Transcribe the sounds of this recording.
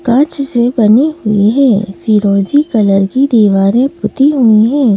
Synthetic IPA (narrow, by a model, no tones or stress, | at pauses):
kãːt͡ʃsebɐniɦʊiɦɛ̰̃ːfiːɾoːzikɐləɾkid̪iːʋaːɾẽpʊt̪iɦʊiɦɛ̃ː